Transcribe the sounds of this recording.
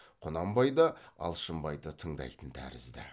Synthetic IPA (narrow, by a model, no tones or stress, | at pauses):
qʰʊnɑmbɑjd̪əɑ̰lˠʃəmbɑjd̪ət̪ʰəɴd̪ɑ̰jt̪ənt̪ʰæ̰ɾɪ̰zd̪ɪ̰